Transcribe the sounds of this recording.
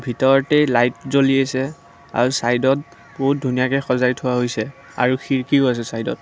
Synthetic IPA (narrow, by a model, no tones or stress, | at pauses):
bʱitɔɹɔtɛlajtzoliasɛ | a̰ɹusajdɔt | boɦut̚dʱunijakɛxɔzajtʰʊwaɦojsɛ | a̰ɹuxiɹkiʊas̬ɛsajdɔ̰t̚